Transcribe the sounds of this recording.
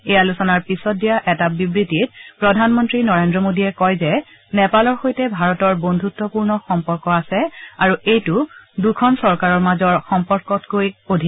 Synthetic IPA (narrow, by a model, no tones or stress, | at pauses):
ɛjalusɔnaɹpisɔt̚dijaʔɛtabibɹitit̚pɹɔdʱanmɔntɹinɔɹendɹɔmodiɛkɔjzɛ | nɛpalɔɹxojtɛbʱaɹɔtɔɹbondʱutːɔpuɹnɔxɔmpɔɹkɔasɛaɹuejtudukʰɔnsɔɹkaɹɔɹmazɔɹxɔmpɔɹkɔtkojodʱi